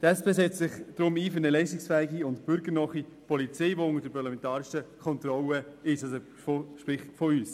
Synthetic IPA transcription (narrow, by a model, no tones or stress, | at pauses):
d̥ɛspeːsɛt͡st͡sɪχd̥ɾʊmiːføɾnɛlɛɪstɪksfæɪɡiʊntb̥ʏɾɡəɾnɔχipʰɔlit͡sɛɪʋoʊŋəɾd̥əɾpʰɑɾlɑmɛntɑːɾɪʃəkʰɔnt̪ɾɔləɪʃɑso | foʃpɾɪχtfɔyːs